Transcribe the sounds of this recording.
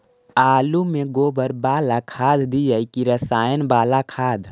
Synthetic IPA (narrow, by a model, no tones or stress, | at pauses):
aːlumeɡoːbəɾbaːlakʰaːd̪d̪ijəjkiɾəsaːjənbaːlakʰaːd̪ʱ